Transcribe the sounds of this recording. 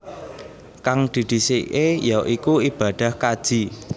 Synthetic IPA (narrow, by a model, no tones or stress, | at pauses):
kaŋd̪̥i̤d̪̥i̤seejaʔikuib̥a̤d̪̥a̤hkad̥ʒ̥i̤